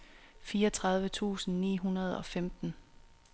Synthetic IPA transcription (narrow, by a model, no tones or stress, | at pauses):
fiːɐɒt͡sʰʁɑ̈ð̞ˠʋət͡sʰṵːsn̩nḭːɦunɐð̞ˠɒ̽femd̥n̩